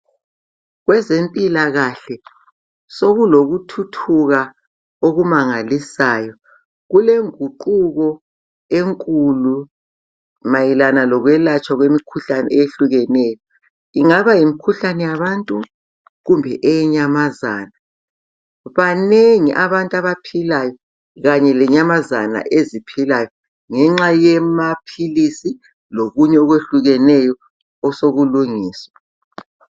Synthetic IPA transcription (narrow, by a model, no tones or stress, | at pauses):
ɣwɛzempʼilaɣaɬɛ | soɣuloɣutʰutʰuɣa | oɣumaŋalisaːjɔ | ɣuleŋuǃuɣɔ | eŋkʼulu | majilanalɔɣwɛlat͡ʃʼwaɣwemikʰuɬanɛ̰eeɬuɣɛnɛːjɔ | iŋaβajimikʰuɬanɛjaβantʼu | ɣumbʱɛʔɛɲamazaːna | βaneŋiʔaβantʼaβapʰilajɔ | ɣaɲɛlɛɲamazana̰ʔezipʰilajɔ | ŋɛŋ͡ǁajɛmapʰilisi | loɣuɲɛɔɣweɬuɣɛnɛjɔ | ɔsoɣuluŋiːswa